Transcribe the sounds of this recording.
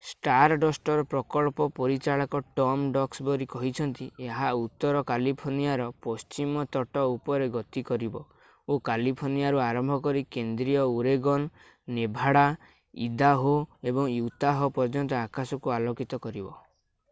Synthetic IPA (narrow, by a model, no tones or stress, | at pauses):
sʈaɾɖɔsʈɔɾɔpɾɔkɔɭpɔpɔɾit͡ʃaɭakɔʈɔmɖɔksbɔɾikɔɦit͡ʃʰɔnt̪ieɦaut̪ːɔɾɔkalipʰoɾnijaɾɔpɔst͡ʃimɔt̪ɔʈɔupɔɾeɡɔt̪ikɔɾibɔ | okalipʰoɾnijaɾuaɾɔmbʱɔkɔɾikend̪ɾijɔuɾeɡɔnː | ebʱaɽa | ḭd̪aɦoebɔŋjut̪aɦɔpɔɾd͡ʒɔnt̪ɔakasɔkualokit̪ɔkɔɾibɔ